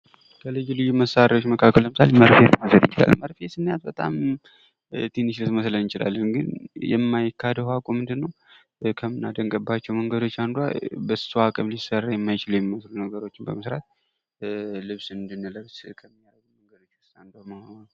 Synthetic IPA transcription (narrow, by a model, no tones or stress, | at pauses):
kʰəlɨd͡ʒulɨjuməsːaɾʔawot͡ʃːməkʰakʰːəlːəmɨsaleməɾfet̪məsəljɪt͡ʃɪla̰lməɾfesɨnːjat̪̚bət̪ʼa̰m | t̪ʰiniʃlɨt̪məslənjɪt͡ʃɪla̰lːənɡɨnjɛ̰mːajkʰːad̪əhakʼumɨnd̪ɨnːəw | kʰəmɨnad̪əŋkʼəbːat͡ʃːɛwməŋɡəd̪o̞t͡ʃːand̪wa̰bəssuakʼəmlisərːajɛmːajɪt͡ʃɪljɛmːiməslunəɡəɾo̞t͡ʃːɪnbəməsɾa̰t̪ | lɨβsɨnd̪ɨnːɨləβskʰəmːijazuməŋɡəd̪o̞t͡ʃːɨand̪aməha